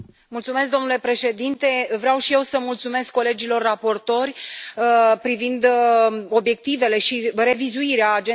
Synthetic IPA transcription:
mult̪sume̞sk̚d̪o̞mnule̞pɾe̞ʃe̞d̪int̪e̞vɾeawʃije̞wsəmult̪sume̞skːo̞le̞d͡ʒilo̞rːapo̞rt̪o̞rʲ | pɾivind̪o̞bje̞k̚t̪ive̞le̞ʃire̞vizuiɾeaːd͡ʒe

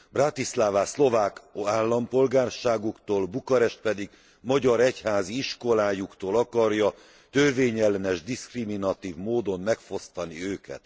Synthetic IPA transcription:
brat̪islaːvaːslo̞vaːkɒaːlːɒmpo̞lɡaːrʃaːɡukt̪oːlbukɒɾɛʃt̪̚pɛd̪iɡ | mɒɟɒɾɛchaːziiʃko̞laːjukt̪oːlɒkɒrjɒ | t̪ørveːɲɛlːɛnɛʒd̪iskriminɒt̪iːvmoːd̪o̞nmɛkfo̞st̪ɒniøːkɛ̰t̪

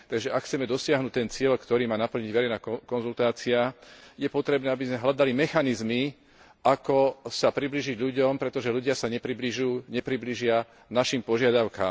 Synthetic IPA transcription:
t̪aɡʒɛʔakxt͡sɛmɛd̪ɔsɪaɦnuːc̚t̪ɛnt͡sɪɛʎkt̪ɔɾiːmaːnapl̩ɲiɟʋɛɾɛɪnaːkɔnzult̪aːt͡siajɛpɔt̪ɾɛbnɛːabizmɛɦlad̪alimɛxanizmi | ʔakɔsapɾibliːʒiɟʎuɟɔmpɾɛt̪ɔʒɛluɟɪasaɲɛpɾibliʒuːɲɛpɾibliːʒɪa | naʃimpɔʒɪad̪aʊka̰ːm

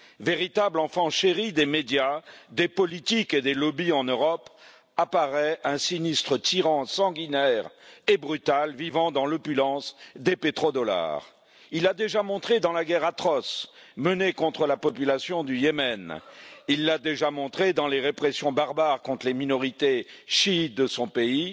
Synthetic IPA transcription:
veʁit̪ablɑ̃fɑ̃ʃeʁid̪emed̪jad̪epɔlit̪iked̪elɔbiɑ̃nøʁɔp | apaʁɛɛ̃sinist̪χət̪iʁɑ̃sɑ̃ɡʲinɛʁebʁyt̪alvivɑ̃d̪ɑ̃lɔpylɑ̃sd̪epet̪χod̪ɔla̰ʁ | ilad̪eʒamɔ̃t̪χed̪ɑ̃laɡʲɛʁat̪χɔsmənekɔ̃t̪χəlapɔpylasjɔ̃d̪yjemɛnilːad̪eʒamɔ̃t̪χed̪ɑ̃leʁepχesjɔ̃baʁbaʁkɔ̃t̪χleminɔʁit̪eʃit̪̚d̪əsɔ̃pei

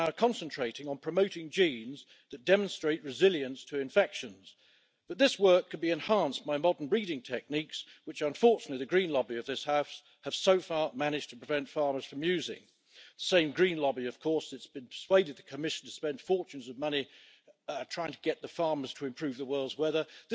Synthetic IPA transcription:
ʊkʰɑ̃nsɨ̃ntʰɹ̥eɪɾɪ̃ŋə̃npʰɹ̥ɨmoʊɾɪ̃ŋd͡ʒĩnz | ðɨt̚d̥ɛmə̃nstɹ̥eɪʔ̚ɹɨzɪlˠjɨ̃nstʰɨɨ̃ɱfɛkʃɨ̃nz̥ | b̥ʌt̪̚ðɪswɜ˞kʰːɨ̃n̚biɨ̃nhɑ̃nsb̥aɪmɑdən̩bɹiɾɪ̃ŋtʰɛk̚nikswɨt͡ʃʌ̃ɱfɔɹt͡ʃɨnətˡliðɨɡɹĩnlɑbiʌvðɪshaʊfs | ɨv̥soʊfɑɹmænɨd͡ʒ̥tʰəpɹ̥ɨvɛ̃ntfɑɹmə˞z̥fɹʌ̃mjʉzɪ̰̃ŋ | ðəsẽɪ̃mɡɹĩnlɑbiʌv̥kʰɔɹsɨtsb̥ɨ̃npʰə̥˞sweɪɾɨd̪̚ðɨkʰɨmɪʃn̩tʰəspɛ̃nd̥fɔɹt͡ʃʉ̃nzʌvmʌni | tʰɹ̥aɪɪ̃ŋtʰɨɡɛt̪̚ðəfɑɹmə˞z̥tʰəɨ̃mpʰɹ̥ʉvðəwɜ˞lˠdzwɛðə˞ðɪ

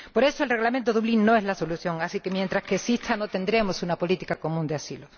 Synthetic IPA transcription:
po̞ɾe̞soe̞lre̞ɣlamẽnt̪oðuβlinːo̞e̞ɦlaso̞luθjo̞ŋasike̞mje̞nt̪ɾaskesist̪ʰano̞t̪e̞nd̪ɾe̞mosunapo̞lit̪ikako̞mũnd̪easilo

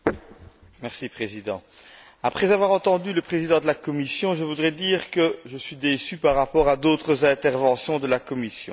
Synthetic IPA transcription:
mɛʁsipχezid̪ɑ̰̃ | apχɛzavwaʁɑ̃t̪ɑ̃d̪yləpχezid̪ɑ̃d̪əlakɔmisjɔ̃ʒəvud̪ʁɛd̪iːʁkəʒəsɥid̪esypaʁːapɔːʁad̪ot̪χəzɛ̃t̪ɛʁvɑ̃sjɔ̃d̪əlakɔmisjɔ̰̃

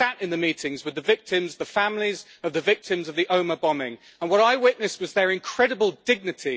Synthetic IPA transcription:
atɪ̃nðəmiˑtʰɪ̃ŋzwɨðəvɪk̚tʰɪ̃mzðəfãmliz | əvðəvɪk̚tʰɪ̃mzəvðiʔə̃ʊ̃məbɒmɪ̰̃ŋ | ə̃nwɒɾaɪwɪʔⁿnɨswɒzðəɹɪ̃nkʰɹ̥ɛɾəbəlˠdɪɡ̚nɨtʰi

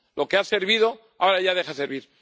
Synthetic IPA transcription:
lo̞kease̞ɾβiðo̞ | aoɾaʝaðe̞xaseɾβ̞iɾ

